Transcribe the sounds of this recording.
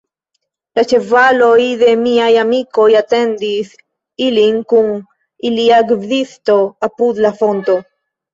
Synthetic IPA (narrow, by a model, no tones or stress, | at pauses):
lat͡ʃe̞valo̞jðe̞miajamiko̞jat̪e̞nd̪is | iliŋkuŋ | iliaɡvdist̪o̞apud̪lafo̞nt̪o̞